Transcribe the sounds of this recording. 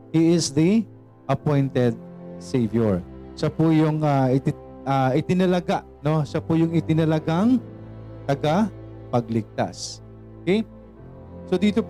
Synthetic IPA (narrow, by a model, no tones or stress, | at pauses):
hiɪsðɐ | ʔɐpɔjnt̪ɛd̪̚sejvjoɹʃɐpʊjʊŋaʔɪt̪ɪ | ɐʔɪt̪ɪnɐlɐɡaʔno̞ʃɐpʊjʊŋɪt̪ɪnɐlɐɡaŋ | t̪ɐɡa | pɐɡ̚lɪk̚t̪a̰sʔʔʔokɛj | sod̪iːt̪op